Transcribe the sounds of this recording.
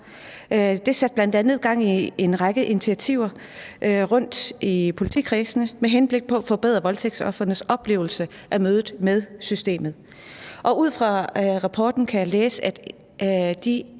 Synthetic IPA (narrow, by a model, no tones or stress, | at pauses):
d̥e̝sæd̥̚b̥læn̰d̥ænð̩ˠɡ̥ɑ̈ŋ̰ie̝nʁɑ̈ɡ̥əʔinit͡sʰiæt͡sʰiʊ̰ɐ | ʔʁɔ̽n̰d̥ipʰo̝lit͡sʰḭkʰʁiːsənəmeɦenb̥le̝ɡ̥̚pʰɒ̽æfɒ̽b̥eð̰ˠʁɐʋɒ̽lt͡sʰeɡ̥sɒ̽fʁɐnəsɒ̽b̥le̝̰ːʊl̩sə | ʔæmøːðˠð̩ˠmeð̞ˠsysd̥e̝̰ːmð̩ˠ | ʔɒ̽uð̞̰ˠfʁɑ̈ʁɑ̈pʰɒ̰ːd̥n̩kʰæjæleːsəæd̥ | d̥i